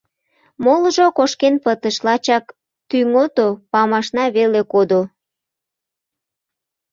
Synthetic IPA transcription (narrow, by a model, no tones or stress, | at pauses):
molʒokoʃkenpət̪əʃlɑt͡ɕɑk | t̪yŋot̪opɑmɑʃnɑβelekod̪o